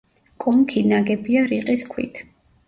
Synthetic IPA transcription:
kʼɔmkʰinaɡɛbiaɾiqʼiskʰwḭt̪ʰ

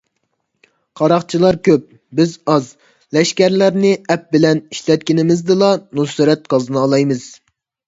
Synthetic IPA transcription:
qʰɑɾɑχt͡ʃʰilˠɑɾkʲʰøp̚ | bɪzɑz | lɛʃkʲɛɾlæɾnɪɛp̚bɪlɛniʃlɛt̪̚kʲɪnɪmɪzd̪ɨlˠɑnusɨɾɛt̪̚qʰɑzɨnɨːlˠɑjmɨz̥

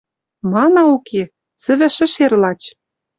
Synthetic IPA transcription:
mɑnɑukʰe | t͡sɘ̆βɘ̆ʃɘ̆ʃerlɑt͡ɕ

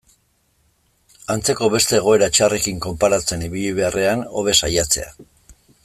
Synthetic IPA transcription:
ant͡se̞ko̞βe̞st̪e̞ːɣ̞o̞e̞ɾat͡ʃare̞kiŋko̞mpaɾat͡se̞niβiʎiβ̞e̞arʔe̞ano̞̰β̞e̞sajat͡se̞a̰

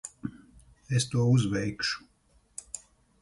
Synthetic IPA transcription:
est̪uɔuzvɛjkʃu̥

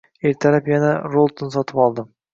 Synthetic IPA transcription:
eɾt̪ʰaɾapjanaɾolˠt̪nsɒt̪ʰɪpɒlˠd̪ɪm

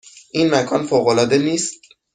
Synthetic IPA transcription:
ʔiːnmækʰɒːnfoːɣolɒːd̪eniːst̪̚

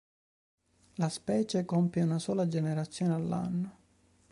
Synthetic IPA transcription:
laspɛːt͡ʃekɔmpjeunasoːlad͡ʒeneɾat̪sːjoːnealːa̰nːo

